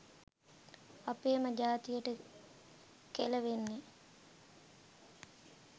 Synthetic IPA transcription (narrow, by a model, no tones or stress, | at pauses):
apeːməd͡ʒaːt̪ijəʈə | keləʋenːe